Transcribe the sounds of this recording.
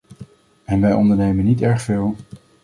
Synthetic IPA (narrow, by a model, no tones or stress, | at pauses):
ɛnʋɛjɔndəɹnejmənːitɛɹχfɪːlˠ